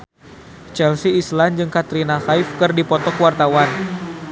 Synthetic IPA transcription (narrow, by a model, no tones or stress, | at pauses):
t͡ʃɛlsiːsland͡ʒɨŋkat̪ɾinaxajfkɨrdipɔt̪ɔkwart̪awan